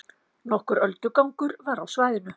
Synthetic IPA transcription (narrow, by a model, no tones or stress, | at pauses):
nɔhkʏɾœlt̪ʏkawŋkʏɾvaɾawsvaːjðɪnʏ